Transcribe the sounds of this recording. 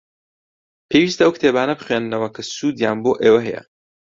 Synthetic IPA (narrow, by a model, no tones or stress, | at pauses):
pʰeːwiːst̪ɐɐwkʰt̪ʰeːbaːnɐbɨχɥennɐwɐkʰɐsuːd̪jaːnboːʔeːwɐɦɛjɛ̰